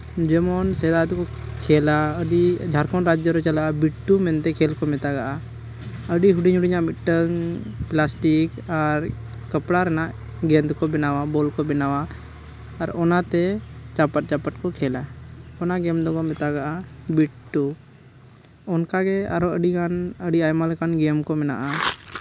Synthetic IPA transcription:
d͡ʒɛmɔnsɛd̪ad̪kɔkʰɛːlaəɖid͡ʒʱaɾkɔnɾad͡ʒjəɾɛt͡ʃəlabiʈːumɛnt̪ɛkʰeːlkɔmɛt̪aɡaʔa | əɖiɦuɖiɲuɽɪɲamɪʈːəŋplasʈikəɾ | kəpɽaɾɛnaʔ | ɡɛnd̪kɔbɛnawabɔlkɔbɛnawaː | ɾɔnat̪ɛt͡ʃapəʈ̚t͡ʃapəʈkɔkʰɛlaɔnaɡɛmd̪ɔɡɔmɛt̪aɡaʔabiʈʈːu | ɔnkaɡɛa̰ɾɔəɖikanəɖiajmalkanɡɛmkɔmɛna̰ʔa

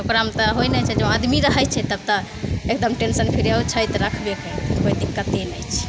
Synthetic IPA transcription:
okɾaəmt̪əɦojnɛt͡ʃʰɛd͡ʒə̃ad̪miɾəɦɛt͡ʃʰɛt̪əb̚t̪əekd̪əmʈensənpʰiɾawt͡ʃʰəjt̪ɾəkʰbekɛt̪kojd̪ikːət̪enəjt͡ʃʰɛ̥

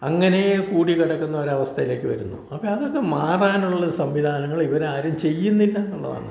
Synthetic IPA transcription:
ɐŋːɐne̞kuːɽikiɽɐkːunːɐoɾɐʋɐst̪ʰɐjile̞ːkʲːɨʋɐ̰ɾunːuɐpːɐɐðo̞kːe̞maːraːnuɭːɐðɨsɐmʋid̪ʱaːnɐŋːɐɭiʋɐnaːɾɐmt͡ɕe̞jːunːɐinːaːnuɭːɐ̰ða̰ːɳɨ

